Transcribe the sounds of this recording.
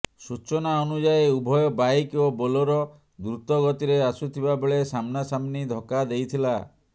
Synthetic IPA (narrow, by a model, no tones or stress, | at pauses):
sut͡ʃɔnaɔnud͡ʒaeubʱɔjɔbajkobolɔɾɔ | d̪ɾut̪ɔɡɔt̪iɾeasut̪ʰibabeɭesamnasamnid̪ʱɔkad̪ejt̪ʰila